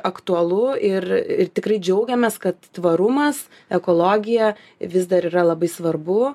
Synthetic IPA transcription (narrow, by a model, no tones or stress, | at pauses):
ɐkt̪uɐlˠʊɪrɪrt̪ʲɪkrɐɪd͡ʒʲɛʊɡʲɛmʲɛskɐt̪t̪ʋɐɾʊmɐs | ɛkoːlˠoːɡʲɪjɛ | ʋʲɪsd̪ɐɾiːɾɐlˠɐbɐɪsʋɐrbʊ